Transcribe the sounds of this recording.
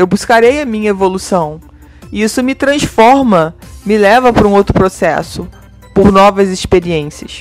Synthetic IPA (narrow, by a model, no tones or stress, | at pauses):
ewbuskaɾejɐmĩɲɐevolusɐ̃w̃ | ɪisʊmɪt̪ɾɐ̃sfɔɾmɐmɪlɛvɐpɾũowt̪ɾʊpɾosɛ̰sʊ | poɾnɔvɐzɪspeɾiẽsiɐ̰s